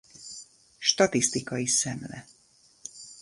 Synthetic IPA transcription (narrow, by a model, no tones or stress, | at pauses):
ʃt̪ɒt̪ist̪ikɒjisɛmlɛ̰